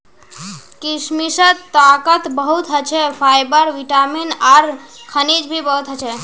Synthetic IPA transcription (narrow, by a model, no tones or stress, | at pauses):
kismisət̪akət̪bəɦut̪ɦət͡ʃʰɛpʰajbəɾʋiʈaminaɾkʰənid͡ʒbʱibəɦut̪ɦət͡ʃʰɛ